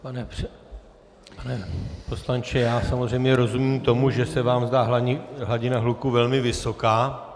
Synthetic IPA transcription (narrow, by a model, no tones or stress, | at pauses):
panɛprɛ | panɛpo̞slant͡ʃɛjaːsamo̞zr̝ɛjmɲɛɾo̞zumiːmt̪o̞muʒɛsɛvaːmzd̪aːɦɦlaɟɪnaɦlukuvɛlmɪvɪso̞kaː